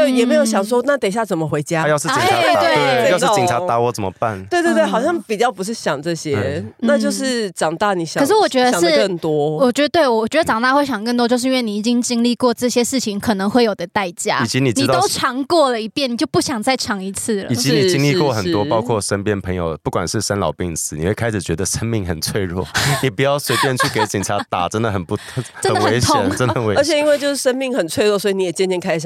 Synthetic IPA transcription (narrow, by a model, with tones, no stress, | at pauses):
we˥˩ɪjɛ˨˩me˧˥ɪjo˧˩ʊɕjɑ˨˩ŋs̬wɔ˥na˥˩t̪e˨˩ɕja˥˩t͡sə˨˩mə˨xwe˧˦ɪt͡ɕja˦jɑ˥ʊʂɻ̩˥˩˨t̪we˥˩˧jʊʂɻ̩˥˧˥t͡ɕi˨ŋʈ͡ʂʰa˧˦t̪a˧˦wɔ˨˦t͡sə˨˩mə̰˦pa̰˥˩nwe˥˧t̪w̪we˥˩xɑ˨ʊɕjɑ˥˩ŋpi˨˩t͡ɕjɑ˥˩ʊpu˧˥ʂ̬̩˥˩ɕjɑ˨˩ŋʈ͡ʂɤ˥˩ɕjɛ˥na˥˧t͡ɕjo˥˧ʊʂɻ̩˥˩ʈ͡ʂɑ˨˩ŋt̪ɑ˥˩ni˨˩ɕjɑ˨˩ʂɻ̩˥˩wɔ˨˩t͡ɕɥɛ˧˥d̪ə˧˨ŋʂɻə˥˩ŋt̪wɔ˦wɔ˨˩t͡ɕɥɛ˧˥d̪ə˧t̪we˥˩ɪwɔ˨˩t͡ɕɥɛ˧˥də˧ʈ͡ʂɑ˨˩ŋt̪a˥˧we˥˩ɪɕjɑ˨˩ŋkə˥˩˧t̪wɔ˥t͡ɕjʂ̬̩˥˧˥nwe˥˩ni˨˩i˨˩t͡ɕi˥ŋt͡ɕi˥ŋli˥˧kwɔ˥˧ʈ͡ʂɤ˥˩ɕjɛ˥ʂɻ̩˥˩t͡ɕʰi˧˦ŋkʰɤ˨˩nə˧˥ŋxwe˥˩ɪjo˨˩ʊd̪ə˦t̪a˥˩ɪt͡ɕja̰˥i˨˩t͡ɕi˧˦ni˨˩ʈ͡ʂni˥˩t̪ɑo˥˧˥ʊʈ͡ʂʰɑ˧˥ŋkwɔ˥˩lə˩i˧˥pjɛ˥˩ni˨˩t͡ɕjo˥˧ʊpu˥˩ɕjɑ˨˩ŋt͡sa˥˩ɪʈ͡ʂʰɑ˧˥ŋi˧˥t͡s̩ʰ˥˩lə̰˩˨i˨t͡ɕi˧˥ni˨˥˩t͡ɕi˥ŋli˥˧kwɔ˥˨˩xə˨˩t̪wɔ˦pɑ˥ʊkʰwɔ˥˩ʂə˥npjɛ˥˧npʰə˧˥ŋjo̰˨˩ʊpu˥˩kwa̰˨˩nʂɻ̩˥˩ʂa˥nlɑ˨ʊpi˥˩ŋsɹ̩˨˥ni˨˩we˥˩kʰa˥ɪʂɻ̩˨˩t͡ɕɥɛ˧˦˥d̪ə˧ʂə˥nmi˥˩ŋxə˨˩nt͡sʰwe˥˧ɪɻwɔ̰˥˩ni˨˩pu˨˩jɑ˥˩ʊswe˥ɪpjɛ˥˧nt͡ɕʰy˥˩ke˧˥ɪt͡ɕi˨ŋʈ͡ʂʰa˧˥t̪a̰˨˩ʈ͡ʂə˥nd̪ə˨xə˨˩npu˥˧xʈ͡ʂə˥n˨˩d̪nəwəe˧˩˦t̪ʰʊ˥˨˥ŋə˥nə˨˩we˧˦ə˧˥t͡ɕʰɛ˨i˥nwe˥˧t͡ɕjo˥˧ʊʂɻ̩˥˩ʂə˥nmi˥˩ŋxə˨˩nt͡sʰwe˥˧ɪɻwɔ˥˩swɔ˧˥i˨ni˨˧jɛ˨˩t͡ɕjɛ˥˧nt͡ɕjɛ˥˧nkʰa˥ɪ˨˩